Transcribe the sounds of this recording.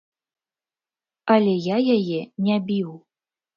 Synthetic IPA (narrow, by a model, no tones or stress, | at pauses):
ɐlʲɛjajajɛnʲabʲiw